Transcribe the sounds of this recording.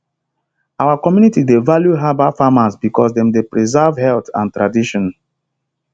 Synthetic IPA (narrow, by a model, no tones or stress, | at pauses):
awakɔmjunitidevaljuɦabafamasbikɔsdɛ̃mdepɹizɛvhɛltã̰ntɹadiʃɔ̃n